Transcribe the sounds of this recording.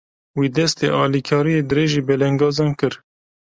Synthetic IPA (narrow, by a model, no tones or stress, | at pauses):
wiːd̪ɛst̪ḛːʔɑːlikʰɑːɾijeːd̪ɨɾeːʒiːbɛlɛŋɡɑːzɑːnkɨɾ